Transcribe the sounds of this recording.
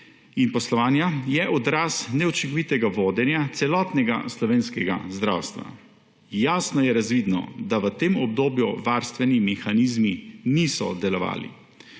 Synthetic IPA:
inpɔslɔʋaːnjajɛʔɔd̪ɾasnɛɔt͡ʃiŋkɔʋit̪ɛɡaʋoːd̪ɛnjat̪sɛlɔːt̪nɛɡa̰slɔʋeːnskɛɡa̰zd̪ɾa̰ːwst̪ʋa̰ | jaːsnɔjɛɾazʋiːd̪nɔ̰d̪aʋət̪eːmɔbd̪oːbjuʋaɾst̪ʋɛnimɛxanizminisɔ̰d̪ɛlɔʋa̰ːlḭ

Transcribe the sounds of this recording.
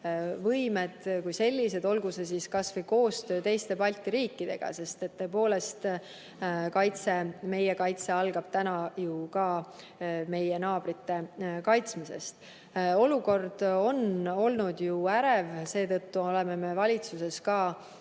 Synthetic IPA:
vɤjme̞d̪̥kujse̞lʲːise̞d̪o̞lɡuses̬iskɑsvɤjko̞ːst̪ø̞ːt̪e̞jst̪e̞pɑlʲt̪ːˑiɾiːkˑːid̪̥e̞̰ɡ̥ɑ̰se̞st̪e̞t̪ːø̞epo̞ːle̞st̪ | kɑjt̪se̞me̞jekɑjt̪se̞ɑlɡ̥ɑb̥t̪ænɑjukɑː | me̞je̞nɑːb̥ɾit̪ːe̞kɑjt̪smise̞̰st̪ | o̞luko̞rd̪̥o̞no̞lnud̪̥juæɾe̞vse̞ːt̪ɤt̪ːuo̞le̞me̞me̞vɑlʲit̪suse̞skɑː

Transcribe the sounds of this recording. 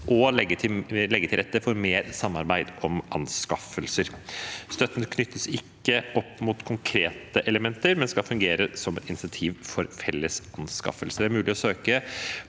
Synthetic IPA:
ʔɔlɛɡət̪ʰlɛɡːət̪ɪɾɛt̪ːəfɔɾmeːɾsɑmːɑɾbæɪd̪ʔɔmʔɑnskɑfəlsəɾst̪œt̪ːənəkʰnʏt̪ːəsɪkːəʔɔpːmut̪kʰʊŋkʰɾeːt̪əʔɛləmɛnt̪əɾmɛnskɑfʉŋɡeːɾəsɔmɛt̪ɪnɪsɪnt̪ʰiːʋfɔɾfɛlːəsɑnskɑ̰fəlsəd̪ɛæɾmʉːlɪɔsøːkə

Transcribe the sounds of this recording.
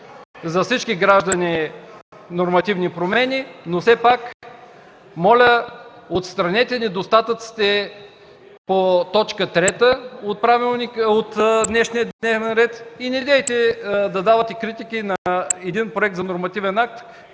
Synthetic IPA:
zɐfsit͡ʃkiɡɾaʒd̪ɐni | noɾmɐt̪ivnipɾomɛnʲinofsɛpak | mɔlʲə | ot̪st̪ɾɐnɛt̪ɛnɛd̪ost̪at̪ət̪si̥t̪ɛ | pot̪ɔt͡ʃkət̪ɾɛt̪əot̪̚pɾavilˠnikot̪d̪nɛʃnijəd̪nɛvnɛnɾɛt̪inɛd̪ɛjt̪ɛd̪ɐd̪avɐt̪ɛkɾit̪ikinɐɛd̪inpɾoɛk̚t̪zɐnoɾmɐt̪ivɛnak̚t̪

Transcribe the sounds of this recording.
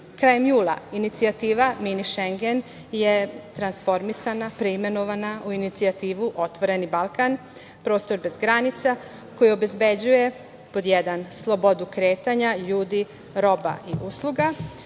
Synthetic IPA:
kɾaːjemjuːlˠa̰init̪siat̪iːʋaminiʃeŋɡen | jet̪ɾansfo̞ɾmisanapɾeime̞no̞ʋanaʔuinit̪siat̪iːʋuʔo̞t̪ʋo̞ɾe̞nibalˠkan | pɾo̞ːst̪o̞ɾbe̞zɡɾanit̪sa | ko̞jio̞be̞zbe̞d͡ʑuje̞ | po̞d̪jed̪anslˠo̞bo̞d̪ukɾe̞ːt̪aɲaʎuːd̪i | ɾo̞ba̰ʔiʔuslˠuɡa

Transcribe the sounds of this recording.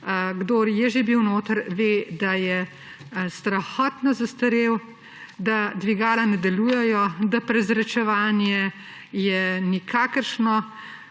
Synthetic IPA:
ɡd̪oːɾjɛʒebiwnoːt̪əɾʋeːd̪ajɛ | st̪ɾaxɔːt̪nɔzɐst̪əɾew | d̪ad̪ʋiɡaːlanɛd̪ɛluːjɛjɔd̪apɾɛzɾɛt͡ʃɛʋaːnjɛ | jɛnikʰaːkəɾʃnɔ

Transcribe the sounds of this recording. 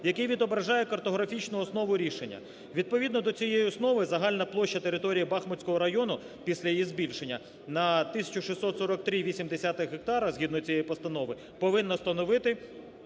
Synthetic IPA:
jɐkɛjʋʲid̪ɔbɾɐʒɑjɛkɐrt̪ɔɦɾɐfʲit͡ʃnʊɔsnɔʋʊɾʲiʃenʲːɐ̰ | ʋʲid̪̚pɔʋʲid̪nɔd̪ɔt͡sʲijejiɔsnɔʋɪzɐɦɑlʲnɐplˠɔʃt͡ʃːɐt̪eɾɪt̪ɔɾʲijibɑxmɔt͡sʲkɔɦɔɾɐjɔnʊ | pʲisʲlʲɐjijizbʲilʲʃenʲːɐ | nɐt̪ɪsʲɐ̥t͡ʃʊʃisɔt̪sɔɾɔk̚t̪ɾʲiʋʲisʲimd̪esʲat̪ɪxɦek̚t̪ɑɾɐzɦʲid̪nɔjt͡sʲijejipɔst̪ɐnɔʋɪ | pɔʋɪnːɔst̪ɐnɔʋɪt̪ɪ

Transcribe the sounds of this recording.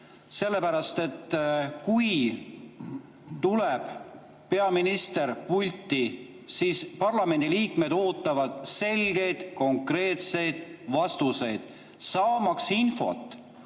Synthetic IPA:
se̞lːe̞pæɾɑst̪e̞t̪ːkuj | t̪uleb̥ | pe̞ɑminist̪e̞ɾpulʲt̪ˑːi | siːspɑrlɑme̞nʲd̪̥iliːkme̞d̪̥o̞ːt̪ːˑɑvɑd̪̥se̞lɡe̞jd̪̥ko̞ŋkre̞ːt̪se̞jd̪̥vɑst̪use̞jd̪̥ | sɑːmɑksinfo̞̰t̪ˑː

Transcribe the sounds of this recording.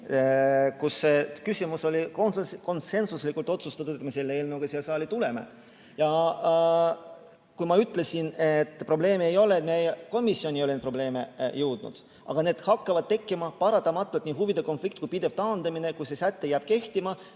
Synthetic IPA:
kusːekysʲimuso̞lʲikko̞nse̞nsuslikːˑult̪ˑo̞t̪sust̪ɑt̪ud̪et̪mese̞lːeeːlnuwɡ̥ɑsiɑlsɑːlʲit̪ule̞me̞̰ | jɑ | kujmɑyt̪ːˑle̞sinet̪ːˑpro̞ble̞ːmejo̞le̞ːt̪mejko̞misːio̞nʲijolenpro̞ble̞ːmejɨwd̪̥nṵd̪̥ | ʔɑ̰ɡ̥ɑne̞ːd̪̥hɑkːɑvɑd̪̥̚t̪e̞kːˑimɑpɑɾɑt̪ːˑɑmɑt̪ːˑult̪niːɦuvid̪e̞konflik̚t̪̚kujpid̪e̞vt̪ɑːnd̪̥ɑmine̞kujsesæt̪ːejæb̥̚ke̞ht̪imɑ

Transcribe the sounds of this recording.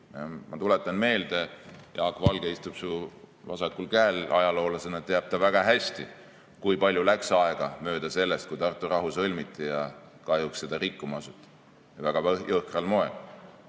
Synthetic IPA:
mʔɑ̰t̪ule̞t̪ːˑɑnme̞ːld̪̥e̞jʔɑːkːˑvɑlɡ̥eist̪ub̥suvɑsɑkːulkæːlɑjɑlo̞ːlɑsenɑt̪t̪ːeɑb̥̚t̪ɑvæɡ̥ɑɦæsʲt̪i | kujpɑlʲjulæksɑe̞ɡ̥ɑmø̞ːd̪̥ɑse̞lːest̪̚kujt̪ɑrt̪ːˑurɑɦusɤlʲmit̪ˑːijɑ | kɑjuksːe̞d̪̥ɑrikːumɑɑsut̪ːˑɑ̥ | jɑvæɡ̥ɑɤhkrɑlmo̞e̞l

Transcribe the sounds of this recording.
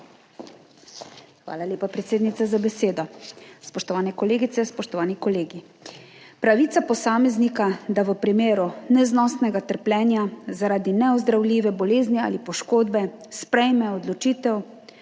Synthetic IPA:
xʋa̰ːlalʲjeːpapɾɛt̪seːd̪nit̪sazabɛseːd̪ɔspɔʃt̪ɔʋaːnɛkɔleːɡit̪sɛspɔʃt̪ɔʋaːnikɔleːɡi | pɾaʋiːt̪sapɔsaːmɛznikad̪aʋəpɾimeːɾunɛznɔst̪nɛɡat̪əɾplʲɛːnjazaɾaːd̪inɛɔzd̪ɾawliːʋɛbɔleːznia̰ːlipɔʃkoːd̪bɛspɾɛjmɛɔd̪lɔt͡ʃiːt̪ɛw

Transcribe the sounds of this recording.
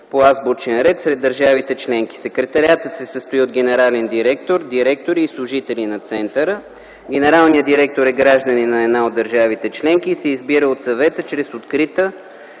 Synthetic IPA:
poazbot͡ʃɛnɾɛt̪sɾɛd̪ːəɾʒavit̪ɛt͡ʃlɛŋki̥sɛkɾɛt̪ɐɾʲiat̪ət̪sɛsəst̪oiod̪ɡɛnɛɾalɛnd̪iɾɛkt̪oɾd̪iɾɛk̚t̪oɾiːslˠʊʒit̪ɛlinɐt̪sɛnt̪əɾə | ɡʲɛnɛɾalˠnijəd̪iɾɛk̚t̪oɾɛɡɾaʒd̪əninɐɛd̪naod̪əɾʒavit̪ɛt͡ʃlɛŋk̟iːsɛizbiɾəot̪sɐvɛt̪ət͡ʃɾɛsot̪kɾit̪ə

